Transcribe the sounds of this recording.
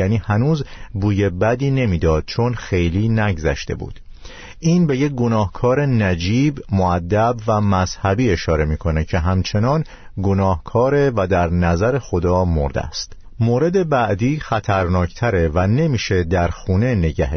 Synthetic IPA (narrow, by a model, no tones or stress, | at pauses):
jæniːhænuːzbuːje̞bæd̪iːne̞miːd̪ɒːd̪̥̚t͡ʃʰonxe̞jliːnæɡzæʃt̪e̞̰bṵːd̪̥ | ʔiːnbe̞jec̚ɡo̞nɒːhkʰɒːɾe̞næd͡ʒiːbmoæd̪ːæbvæmæz̥hæbiːe̞ʃɒːɾe̞miːkʰo̞necʰe̞ɦæmt͡ʃʰe̞nɒn | ɡo̞nɒːhkʰɒːɾe̞væd̪æɾnæzæɾe̞xo̞d̪ɒːmo̰ɾd̪ḛæ̰st̪ | moːɾe̞d̪e̞bæʔd̪iːxæt̪ʰæɾnɒːcʰt̪ʰæɾe̞væne̞miːʃe̞d̪æɾxuːne̞ne̞ɟæɦe